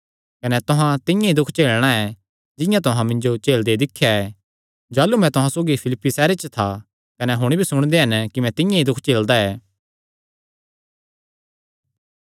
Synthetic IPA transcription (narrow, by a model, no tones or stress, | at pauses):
kɐnɛt̪ʊɦãt̪ɪ̃jãid̪ʊkʰt͡ʃeːlɽ̃aɛ | d͡ʒɪ̃jãt̪ʊɦãmɪ̃ɲd͡ʒot͡ʃeːld̪ed̪ɪkʰːjaɛː | d͡ʒaːlːumɛ̃t̪ʊɦãsoːɡipʰɪlɪpːisɛːɾet͡ʃət̪ʰa | kɐnɛɦʊɽ̃ibʱisʊɽ̃d̪eɦɐnkimɛ̃t̪ɪ̃jãid̪ʊkʰt͡ʃeːld̪aɛː